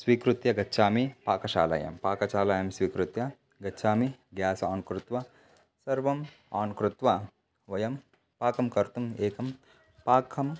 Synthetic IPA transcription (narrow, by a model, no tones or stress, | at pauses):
sʋiːkɾut̪jɐɡɐtːʃʰaːmipaːkɐʃa̰ːlɐ̰jɐ̰mpaːkɐʃaːlaːjɐmsʋiːkɾut̪jɐ | ɡɐtːʃʰaːmiɡjaːsɐaːnkɾut̪ʋɐ | sɐɾʋɐm | aːnkɾut̪ʋɐ | ʋɐjɐm | paːkɐmkɐɾt̪umeːkɐm | paːkʰɐm